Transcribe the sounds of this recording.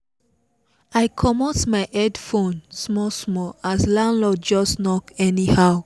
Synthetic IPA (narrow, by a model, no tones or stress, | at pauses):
aɪkʰɔmɔtmaɪʔɛdfõnsmɔsmɔaslãnlɔd͡ʒɔsnɔkɛnihaʊ